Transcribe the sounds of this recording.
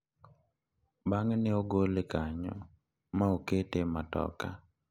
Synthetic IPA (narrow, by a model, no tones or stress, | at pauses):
baŋnɛoɡolekaɲɔ̰ | maoketematɔ̰ka